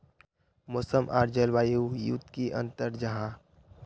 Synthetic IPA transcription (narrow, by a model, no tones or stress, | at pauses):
moːsəmʔa̰ːɾd͡ʒəlʋaːjujṵt̪kiʔə̰̃nt̪əɾd͡ʒɐɦã